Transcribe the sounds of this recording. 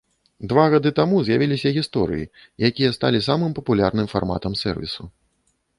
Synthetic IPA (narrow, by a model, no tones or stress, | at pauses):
d̪vaɣad̪ɨt̪amuzʲjavʲilʲisʲɐɣʲist̪ɔɾɨ̰jḭ | jakʲijɐst̪a̰lʲisamɨmpɐpulʲarnɨmfa̰rma̰t̪ɐmsɛ̰rvʲḭsu